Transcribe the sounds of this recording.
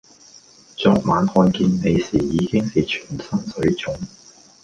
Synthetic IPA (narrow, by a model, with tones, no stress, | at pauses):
t͡sɔː˧k̚maː˨˧nhɔː˧nkiː˧nne˨˧jsiː˨˩jiː˨˧kɪ˥ŋsiː˨t͡ʃʰy̥ː˨˩nsɐ˥ŋsɵ˨˥ɥt͡ʃʊ˨˥ŋ